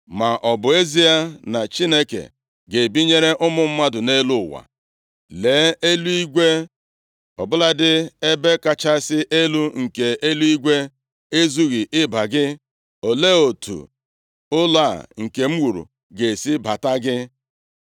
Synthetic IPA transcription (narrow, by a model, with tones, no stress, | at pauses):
ma˨ʔɔ˨bʊ˨e˦zi˦a˦na˨t͡ʃi˦ne˦kḛ˨ | ɡe˨bi˦ɲe˦ɾe˦ʔʊ˦mʊ˦m̩˦ma˦dʊ˨ne˦lu˦˨wa̰˨ | le˨˦e˦lu˦i˦ɡʷe˦ | ɔ̰˨bʊ˦la˦dɪ˦e˦be˦ka˦t͡ʃa˦sɪ˦ʔe˦lu˦ŋ̩˨ke˨ʔe˦lu˦i˦ɡʷe˦ | e˦zu˦ɣi˨ʔɪ˦ba˨ɡɪ˦ | o˨le˦o˨tṵ˨ | ʊ˦la˦˨ŋ̩˨ke˨m̩˦wu˨ɾṵ˨ | ɡe˨si˦ba˨ta˦ɡɪ˦